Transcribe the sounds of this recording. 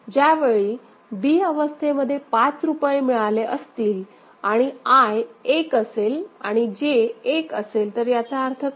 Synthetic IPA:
d͡ʑjaʋeɭiː | biːəʋəst̪ʰeməd̪ʱːjepat͡sɾupajemiɭaleʔəst̪iːl | aɽ̃iajekəselaɽ̃id͡ʑeːkəselt̪əɾjat̪aəɾt̪ʰə

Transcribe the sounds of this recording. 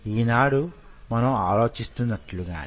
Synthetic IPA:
iːnaːɽumɐnɐmaːlo̞ːt͡ʃist̪unːɐʈluɡa̰ːn

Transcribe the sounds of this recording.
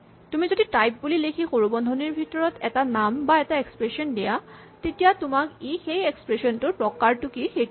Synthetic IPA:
tumizoditajp̚bulilekʰixoɹubɔndʱɔniɹbʱitɔɹɔtɛtanambaɛtaekspɹesɔndija | tetijatʊmakixejekspɹesɔntʊpɹɔkaɹtʊkixe

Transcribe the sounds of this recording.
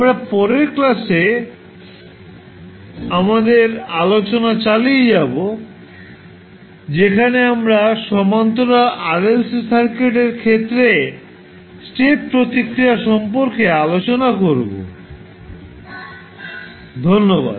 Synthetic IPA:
amɾapɔɾeɾklase | amad̪eɾalot͡ɕonat͡ɕalied͡ʑabo | d͡ʑekʰaneamɾaʃɔmant̪oɾaʔaɾelssaɾkeʈeɾkʰet̪ːɾe | sʈeʈ̚pɾot̪ikɾiaʃɔmpoɾkealot͡ɕonakoɾbo̰ | d̪ʱonːoba̰d̪

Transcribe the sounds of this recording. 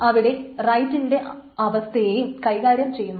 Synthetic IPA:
ɐʋiɽe̞rɐjtːinde̞ʔ | ɐʋɐst̪ʰɐjeːjumkɐjɣaːɾjɐmt͡ɕe̞jːumː

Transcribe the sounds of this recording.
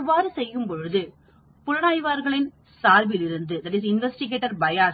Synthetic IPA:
ʋaːɾɯsɛjːɯmpɔɻɯðɯ | pʊɻɐnaːjʋaːɾɣɐɭɪn | saːɾʋɪlɪɾɯnd̪ɯd̪ɐʈɪːsɪnʋɛsʈɪɣeːʈːɐɾbɐjaː

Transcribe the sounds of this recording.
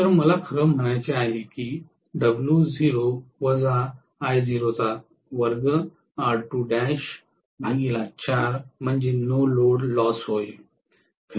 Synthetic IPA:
t̪əɾməlakʰəɾəm̤əɽ̃ajt͡ɕiajlikiː | ɖəbljud͡ziɾoʋəd͡zaː | jd͡ziɾot͡sa | ʋəɾɡə | aɽʈuɖæɕ | bʱaɡilat͡ɕaɾm̤əɳd͡ʑenoloɽlɔsɦoj | kʰ

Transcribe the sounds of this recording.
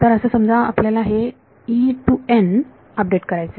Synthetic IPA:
t̪əɾəsəsəmd͡zʱaa̰pljalaɦe | iʈuen | əp̚ɖeʈkəɾajt͡se

